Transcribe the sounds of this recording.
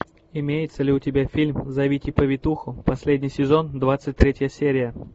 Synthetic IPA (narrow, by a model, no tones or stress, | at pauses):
ɪmʲejɪt̪səlʲɪʊtʲɪbʲafʲilʲmzɐvʲitʲɪpəvʲɪt̪uxʊpɐsʲlʲedʲnʲɪjsʲɪzo̞nd̪vat̪sɨt̚ʲt̪ɾʲetʲjəsʲeɾʲɪjə